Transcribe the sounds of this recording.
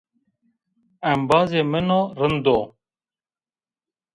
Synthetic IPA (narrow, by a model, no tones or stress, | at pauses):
ɛmbaːzeːmənõːɾənd̪oː